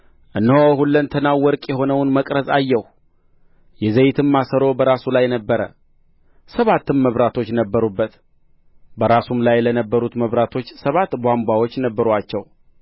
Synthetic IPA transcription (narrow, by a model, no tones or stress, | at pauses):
ʔɨnːhohulːənt̪ʰənawwːɔɾkʼjɛɦo̞nəwnməkʼɾəzajːɛh | jɛzəjɪt̪ʰɨmːasəɾo̞bəɾasulajnəbːəɾə̰ | səβat̪ːɨmːəβɾat̪ʰo̞t͡ʃːnəbːəɾubːət̪ | bəɾasumlajlənəbːəɾut̪məβɾat̪ʰo̞t͡ʃːsəβat̪ːbʷambwawo̞t͡ʃːnəbːəɾat͡ʃːɛw